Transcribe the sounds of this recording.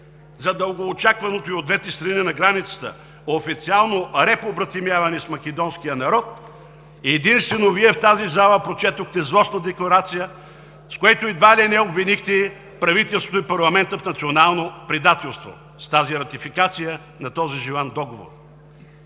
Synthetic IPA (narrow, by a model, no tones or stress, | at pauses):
zɐd̪əlˠɡoːt͡ʃakvɐnot̪oiod̪vɛt̪ɛst̪ɾɐninɐɡɾanit̪sə̥t̪ə̰ | oːfit̪sialˠnoɾɛpobɾɐt̪imjavɐnɛsmɐkɛd̪ɔnskijənɐɾɔt̪ | iɛd̪inst̪vɛnoviɛft̪azizalˠəpɾot͡ʃɛt̪oxt̪ɛzlˠɔsnɐd̪ɛklˠɐɾat̪sijə | skoɛt̪oid̪valʲɛnɛobvinixt̪ɛ | pɾɐvit̪ɛlˠst̪vot̪ʊipɐɾlˠɐmɛnt̪əfnɐt̪sionalˠnopɾid̪at̪ɛlˠst̪vo̰ | st̪aziɾɐt̪ifikat̪sijə | nɐt̪ɔziʒilˠand̪ɔɡovo̰r